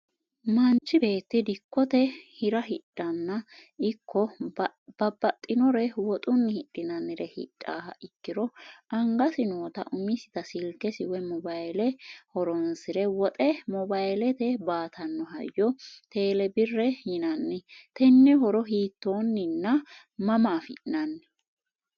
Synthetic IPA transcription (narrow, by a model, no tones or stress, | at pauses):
mɐnt͡ʃːɪbe̞ːt̪ːɪd̪ɪkːɔt̪ɛhɪɾɐɦɪᶑʼːɐnːɐɪkʰːɔ | b̥ɐbɐt̪ʼːɪnɔɾɛwɔt̪ʼʊnːɪhɪɗːɪnɐnːɪɾɛhɪ̰ᶑʼːaːhɐʔɪkːɪɾɔʔɐŋɡɐsɪnoːt̪ɐ̰ʔʊmɪsɪ̥t̪ɐsɪlkːɛsɪwɛmɔbajlɛhɔɾɔnsɪɾɛwɔt̪ʼɛmɔbajlɛt̪ɛbaːt̪ʰɐnːɔɦɐjːɔt̪e̞ːlɛbɪrːɛjɪnɐnːɪt̪ɛnːɛhɔɾɔɦiːt̪ːo̞ːnːɪnːɐ | mɐmaːfɪʔnɐnːɪ